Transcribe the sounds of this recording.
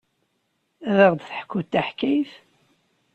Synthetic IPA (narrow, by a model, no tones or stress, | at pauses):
æðəʁd̪θə̥ħkːut̪ːaħkːæjθ